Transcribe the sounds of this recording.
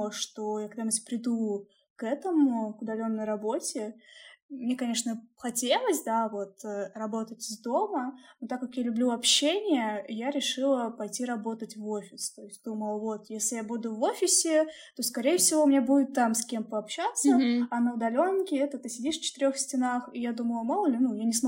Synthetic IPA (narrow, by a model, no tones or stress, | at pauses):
ʂt̪o̞jakɐɡd̪aməsʲpɾʲɪd̪u | kɛt̪əmʊkʊd̪ɐlʲo̞nːəjrɐbo̞tʲɪ | mnʲekɐnʲe̞ʂnəxɐtʲe̞lˠəsʲd̪avo̞t̪ərɐbo̞t̪ətʲɪzd̪o̞mənot̪akːakjalʲʊblʲuɐpɕenʲɪjəjaɾʲɪʂɨlˠəpɐjtʲiɾɐbo̞t̪ətʲvo̞fʲɪst̪o̞ɪsʲtʲd̪uməlˠəvo̞t̪jesʲlʲɪjabud̪ʊvo̞fʲɪsʲɪ | t̪o̞skɐɾʲejəfsʲɪvomnʲebudʲɪt̪ːamsʲkʲe̞mpəɐpɕat̪səɐnəʊd̪ɐlʲo̞nkʲɪɛt̪ət̪ɨsʲɪdʲiʂft͡ɕɪ̥t̪ɪɾʲo̞xsʲtʲɪnaxijad̪uməlˠəmolˠlʲɪnujanʲɪsm